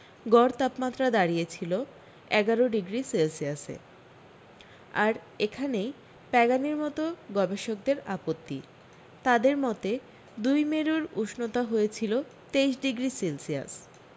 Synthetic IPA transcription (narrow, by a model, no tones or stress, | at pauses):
ɡɔɾt̪apmat̪ːɾad̪aɽijet͡ɕʰilo | ɛɡaɾoɖiɡɾiselsiasḛ | aɾ | ekʰanej | pɛɡaniɾmɔt̪oɡɔbeʃok̚d̪eɾapot̪ːi | t̪ad̪eɾmɔt̪e | d̪ujmeɾuɾuʃnot̪aɦojet͡ɕʰilo | t̪ejʃɖiɡɾiselsia̰s